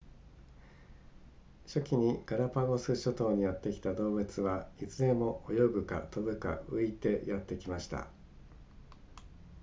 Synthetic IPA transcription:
ɕo̞kʲiɲ̟iɡ̥aɾapaɡo̞sɨɕo̞t̪o̞ːɲ̟ijat̪ːe̞kʲi̥t̪ad̪o̞ːbɯ̟t͡sɨβait͡sɨɾẽ̞mo̞ʔojo̞ɡɯ̟ka̰t̪o̞bɯ̟ka̰ɯ̟it̪e̞jat̪ːe̞kʲimaɕi̥t̪a̰

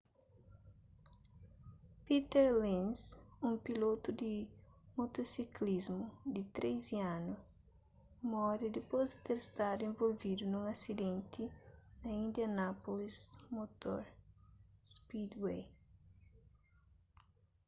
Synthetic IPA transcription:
pit̪ɛɾlĩnsũŋpilot̪ud̪imot̪osiklizmʊd̪it̪ɾʔeziãnu | mɔɾid̪ipozd̪ɪt̪eɾest̪ad̪uẽvolvid̪unũŋɐsid̪ẽnt̪ʰinɐĩnd̪jɐnapolismot̪oɾ | spid̪wej

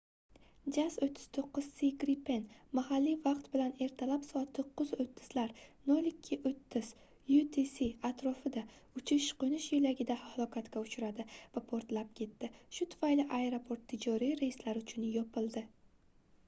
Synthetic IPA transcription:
d͡ʒasot̪ʰːɪ̥z̥t̪ʰoqːʊz̥siɡɾipʰenmahalːivaqt̪bɪlane̞ɾt̪ʰalapsɒt̪ʰːɨqʰːʊzot̪ʰːɪ̥z̥laɾnolikʲʰːɪʔot̪ʰːɪz̥ | jut̪ʰisiat̪ʰɾɒfɪd̪aʊt͡ʃʰɪʃqonɪʃjɪlaɡʲɪd̪ahahlˠɒkʰat̪kʲaʊt͡ʃʰʊɾad̪ɪvapʰoɾt̪lap̚kʲʰe̞t̪ːɪʃʊt̪ʰʊ̥fajlɪʔaeɾopʰo̞ɾt̪ʰːɪd͡ʒɒɾijɾejɪslaɾʊt͡ʃʰʊnjɒpʰɪlˠd̪ɪ

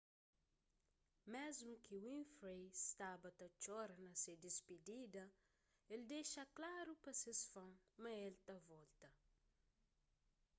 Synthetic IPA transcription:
mezmukiwĩnfɾejst̪abɐt̪ɐt͡ʃɔɾɐnɐsed̪isped̪id̪ɐ | eld̪eʃɐklaɾupɐsesfɐ̃ŋmɐelt̪ɐvɔlt̪ɐ

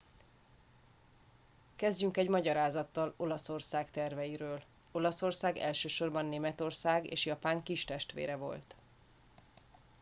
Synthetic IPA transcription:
kɛzɟyŋkɛɟmɒɟɒɾaːzɒt̪ːɒlo̞lɒso̞rsaːkt̪ɛrvɛjiɾøːl | o̞lɒso̞rsaːɡɛ̰lʃøːʃo̞rbɒnːeːmɛt̪o̞rsaːɡḛːʃjɒpaːŋkiʃt̪ɛʃt̪ʋḛːɾɛvo̞̰lt̪

